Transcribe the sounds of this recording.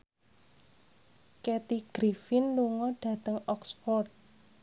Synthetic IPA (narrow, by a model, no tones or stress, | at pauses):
kɛt̪iɡ̥ɾifɪnluŋɔɖ̥ä̤t̪əŋɔksfɔrt̪̚